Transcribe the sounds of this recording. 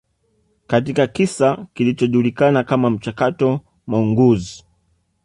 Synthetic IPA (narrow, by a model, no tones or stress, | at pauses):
kat̬ikakisakilit͡ʃɔʄulikanakamam̩t͡ʃakatɔ | mauŋɡuzi